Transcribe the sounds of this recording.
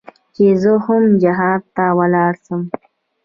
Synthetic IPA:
t͡ʃezəhʊmd͡ʒɪɦɑːd̪̚t̪awalɑːɽsəm

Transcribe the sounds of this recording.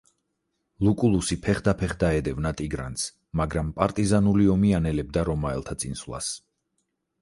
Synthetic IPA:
lˠukʼulˠusipʰɛχd̪apʰɛχd̪aɛd̪ɛvnat̪ʼiɡɾa̰nt̪s | maɡɾampʼaɾt̪ʼizanuliɔmianɛlɛb̚d̪aɾɔmaɛ̰lˠt̪ʰat̪sʼinsvlˠa̰s

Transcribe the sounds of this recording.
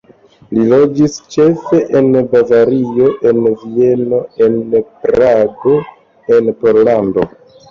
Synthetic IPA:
lilo̞d͡ʒist͡ʃe̞fe̞ʔenbavaɾio̞ʔe̞nvie̞no̞e̞npɾaɡo̞ | enpo̞ɾlando̞

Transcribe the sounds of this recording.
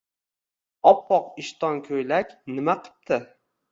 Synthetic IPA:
ɒpːɒqɪʃt̪ɒnkʲʰɵjlakʲnɪmaqʰɨ̥p̚t̪ʰɪ

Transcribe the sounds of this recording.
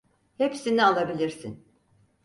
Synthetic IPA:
hepsinialˠabilʲiɾsḭn

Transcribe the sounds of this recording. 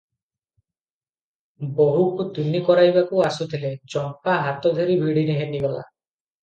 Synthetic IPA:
boɦukut̪inikɔɾajbakuasut̪ʰiled͡ʒɔmpaɦat̪ɔd̪ʱeɾibʱiɽineɦeniɡɔla̰

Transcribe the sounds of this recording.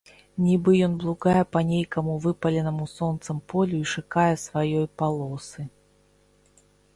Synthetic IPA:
nʲibɨjɔnblˠuɡajɛpɐnʲejkɐmuvɨpɐlʲɛnɐmusɔnt̪sɐmpɔlʲuiʂɨkajɛsvajɔjpalˠɔsɨ

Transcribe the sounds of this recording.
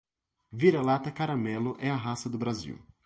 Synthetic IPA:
viɾalat̪ɐkaɾamɛlʊʔɛɐɦasɐd̪ʊbɾazḭw

